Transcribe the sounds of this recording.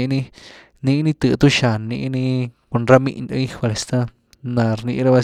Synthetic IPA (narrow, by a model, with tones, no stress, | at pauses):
ĩ˧nĩ˧ | nĩ˧ʔnĩ˧t̪ɨ˧ʔt̪u˦ʃa˨nĩ˧ʔnĩ˧ko˧nɾa˦mĩ˧ʔnd̪a˦ĩ˦˧ha˧le˧st̪ã˦ | nã˨ɾnĩ˧ʔɾa˦βa˧